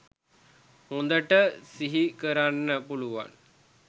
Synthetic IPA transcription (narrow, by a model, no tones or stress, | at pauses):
hũnd̪əʈəsiɦikəɾanːəpuluʋa̰n